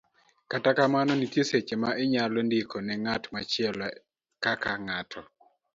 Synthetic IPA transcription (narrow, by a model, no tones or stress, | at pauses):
katakamanɔnitjeset͡ʃemaʔɪɲalɔndikʰɔnɛŋatmat͡ʃɪɛlɔ | kakaŋatʰɔ